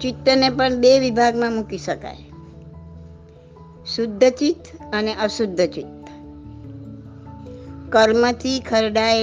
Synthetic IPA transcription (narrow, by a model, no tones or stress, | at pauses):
t͡ʃɪt̪ːənepəɳbeʋibʱaɡmãmukiʃəka̰j | sʊd̪ʱːət͡ʃit̪əneʔəʃʊd̪ʱːət͡ʃit̪ | kəɾmət̪ʰikʰəɾɖae